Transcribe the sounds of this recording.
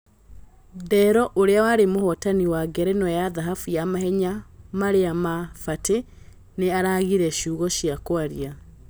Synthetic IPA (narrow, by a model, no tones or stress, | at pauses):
dɛɾɔʔoɾeawaɾemohɔtaniwaɡɛɾɛnɔjaðaɦafujamahɛɲamaɾeamafate | neaɾaɣiɾɛʃuːɣɔʃiakwaɾia